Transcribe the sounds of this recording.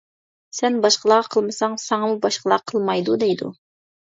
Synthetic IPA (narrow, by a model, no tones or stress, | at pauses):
sɛnbɑʃqəlˠɑʁqʰəlˠmɨsɑŋsɑŋɑmubɑʃqəlˠɑqʰəlˠmɑjd̪ud̪ɛjd̪ṵ